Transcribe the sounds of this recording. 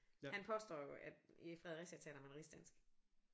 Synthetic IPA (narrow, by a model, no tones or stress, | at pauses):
hænpʰɒ̽sd̥ɒ̰ːjo̝ʔæd̥ifʁɛðˠʁɛsiæt͡sʰɛ̰ːdɐmænʁisd̥ænsɡ̥